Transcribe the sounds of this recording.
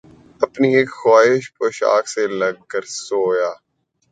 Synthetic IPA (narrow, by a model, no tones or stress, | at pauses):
ɐpnieːkxaːɪʃpoːʃa̰ːkselɐɡ̚kəɾsoːjaː